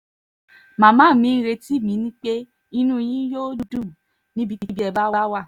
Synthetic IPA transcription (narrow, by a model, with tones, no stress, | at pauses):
mã˨mãː˦˨˦mĩ˨˦n̩˧ɾe˧ti˦˨mĩ˨˦nĩ˦k͡pe˦ | i˧nũ˦˧j̃ĩ˦jo˦du˧du˦˨ | nĩ˦bi˧˦i˧˦bi˦ɛ˧ba˦a˦wa˦˨